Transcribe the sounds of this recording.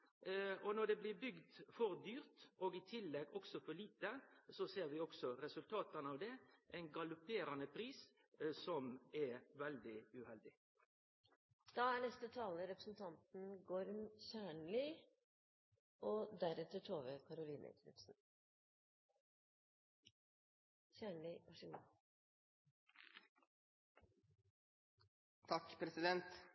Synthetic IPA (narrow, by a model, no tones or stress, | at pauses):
ɔnɔɖ̪ɛblɪːbʏɡd̪fɔʁd̪yːɾt̪ʔoːɡiːt̪ʰɪlːɛɡɔɡsɔfɔɭiːt̪əsɔseːʁʋɪɔɡsɔɾɛsʉlt̪ʰɑːt̪ənɑːʋd̪ɛʔɛɪnɡɑlʊpeːɾɑnəpʰɾiːs | sɔmɛʋɛld̪ɪʉhɛld̪ɪ | d̪̥ɑæɳɛst̪ət̪ʰɑːləɾɛpɾəsn̩t̪ʰɑnt̪n̩ɡɔɾmçæːɳlɪ | ʔɔd̪æɾɛt̪əʈʰoːʋəkʰɑɾʊliːnʔə̰kʰɾɪ̰t̪sn̩ | çæːɳɭɪʔɑʂɪn | t̪ʰɑkːpʰɾɛsɪd̪ɛnt̪